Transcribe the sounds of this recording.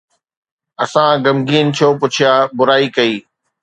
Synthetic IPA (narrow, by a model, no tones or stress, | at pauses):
ɐsãɡɐmɡiːn̆t͡ɕʰoːpʊt͡ɕʰijaːbʊɾaːikɐiː